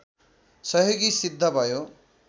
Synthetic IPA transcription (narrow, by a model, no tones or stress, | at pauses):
sʌɦoɡisid̪ʱːʌbʱʌjo